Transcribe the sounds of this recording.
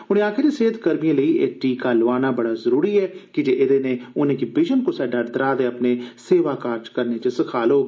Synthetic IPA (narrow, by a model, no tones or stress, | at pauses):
ʊñẽːaːkʰɪɾeːseːt̪kəɾmijãːləiːʔḛʈiːkaːlʋaːnaːbəɽaːzəɾuːɾiːɛːkɪd͡ʒeːɪd̪eːnẽːʊnẽːkibɪd͡ʒənkoːsɛːɖaːɖd̪əɾaːd̪eːəpneːseːʋaːkaːɾd͡ʒkəɾneːt͡ʃesəkʰaːloː